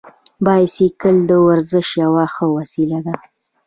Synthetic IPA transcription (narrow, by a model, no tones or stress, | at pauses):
bɑjasekəld̪əwaɾzɪʃjawaxəwasilad̪a